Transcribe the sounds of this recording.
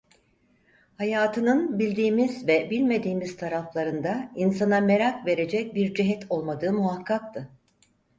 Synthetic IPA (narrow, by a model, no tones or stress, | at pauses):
hajaːt̪ʰɯnɯnbilʲd̪iːmizvɛbilʲme̞d̪iːmiz̥t̪ʰaɾaflˠaɾɯnd̪ainsaname̞ɾakve̞ɾe̞d͡ʒɛc̚biɾd͡ʒiɦɛt̪ʰo̞lˠmad̪ɯːmuɦakʰːak̚t̪ʰɯ